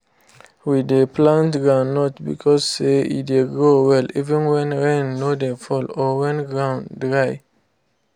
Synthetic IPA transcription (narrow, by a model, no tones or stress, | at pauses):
wideplãntɡɹãʊ̃nːɔtbḭkʰɔzseḭtdeɡɹowɛlivə̃nwɛ̃nɹɛ̃nːodefɔlɔwɛ̃nɡɹãʊ̃ndɹaj